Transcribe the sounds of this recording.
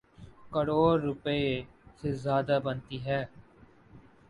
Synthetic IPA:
kəɽoːɾːʊpəeː | sezjaːd̪aːbənt̪iːɦɛː

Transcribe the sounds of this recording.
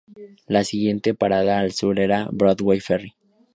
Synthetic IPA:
lasiɣje̞nt̪e̞paɾaðaːlsuɾeɾabɾoðwejferi

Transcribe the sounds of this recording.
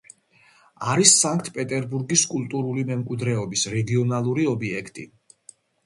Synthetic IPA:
aɾisːaŋkʰt̪ʰpʼɛt̪ʼɛɾbuɾɡiskʼulˠt̪ʼuɾulimɛmkʼwid̪ɾɛɔbisɾɛɡiɔnalˠuɾiɔbiɛkʰt̪ʼḭ

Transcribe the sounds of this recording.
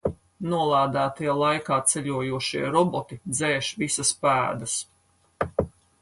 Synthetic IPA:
nuɔlˠaːd̪æːt̪ijɛlˠajkaːt̪sɛʎʲuɔjuɔʃiɛɾɔbɔt̪id̪zɛːʃvisɐspæːd̪ɐs

